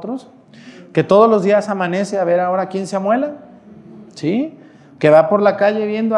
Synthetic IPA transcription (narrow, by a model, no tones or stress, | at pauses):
t̪ɾos | ke̞t̪o̞ð̞o̞zlo̞zðiasamãne̞seaβe̞ɾao̞ɾakje̞nseamwe̞la | si | ke̞βapo̞ɾlakaʝe̞βje̞nd̪o